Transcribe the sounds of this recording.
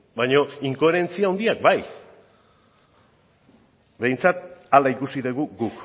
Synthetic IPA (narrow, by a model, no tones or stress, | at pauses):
bajɲo̞iŋko̞eɾe̞nt͡siaond̪iak̚baj | be̞jnt͡sat̪̚alaikusiðeɣuɡuk